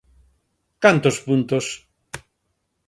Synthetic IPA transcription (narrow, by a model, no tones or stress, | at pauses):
kant̪ospunt̪os